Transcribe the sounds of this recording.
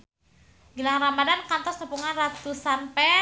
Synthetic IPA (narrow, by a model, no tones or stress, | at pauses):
ɡilaŋramadankant̪ɔsnupuŋanrat̪usanpɛ